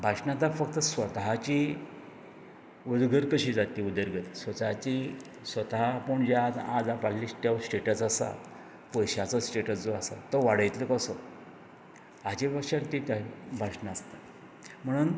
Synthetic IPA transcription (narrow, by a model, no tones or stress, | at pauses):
bʱaʂnãt̪afək̚t̪əsʋət̪aɦat͡ɕi | ud̪ɡʱəɾkəɕiːd͡zat̪iud̪əɾɡət̪sʋət͡s̪aɦat͡ɕi | sʋət̪aɦapuɳd͡ʑad͡zad͡zapaɽliːst̪jasʈeʈəsasa̰ | pəjɕat͡səsʈeʈət͡sd͡zoasa̰t̪ːəʋaɽ̤əjt̪ləkəsɔ | at͡ɕibəɕaɾt̪it̪abʱaʂnaːst̪at̪ | m̤əɽ̃uːn